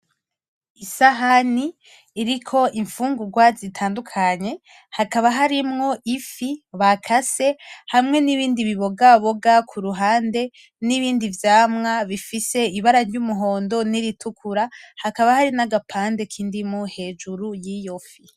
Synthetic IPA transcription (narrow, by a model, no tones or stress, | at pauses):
isaɦaniː | ɾikʰo̞ʔiɱfuːŋɡuɡwazitʰaːndukʰaɲe̞ | hakaβaɦaɾimŋo̞ʔifiβakʰase̞hamŋe̞niβiːndiβiβo̞ɡaβoɡakʰuɾuɦaːnde̞ | niβiːndivjaːmŋaβifise̞iβaɾaɾɟumuɦo̞ːndo̞niɾitʰukʰuɾahakaβahaɾinaɡapʰaːnde̞kʰiːndimŋohe̞ːd͡ʒuɾujijo̞fi